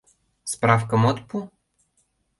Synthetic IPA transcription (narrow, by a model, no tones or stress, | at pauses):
spɾafkəmɔt̪pu